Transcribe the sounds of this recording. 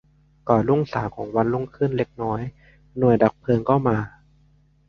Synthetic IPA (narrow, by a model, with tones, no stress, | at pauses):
kɔː˨˩lu˥˩ŋsaː˩˦mkʰɔː˩˦ŋwa˧nlu˥˩ŋkʰɯ˥˩nle˦˥k̚nɔː˦˥j | nu˨˩əjda˨˩k̚pʰɤː˧ŋkʰa˥˩wmaː˧